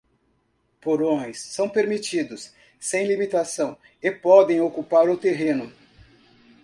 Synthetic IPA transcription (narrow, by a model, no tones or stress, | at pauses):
poɾõj̃sːɐ̃w̃peɾmit͡ʃid̪ʊsː | ẽj̃limit̪asɐ̃w̃ | epɔd̪ẽj̃okupaɾʊt̪eɦẽnʊ